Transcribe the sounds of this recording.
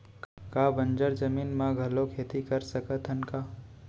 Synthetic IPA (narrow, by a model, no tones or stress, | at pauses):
kaːbə̃ɲd͡ʒəɾd͡ʒəmiːnmãɡʱɐlokʰeːt̪ikəɾsəkət̪ʰənkaː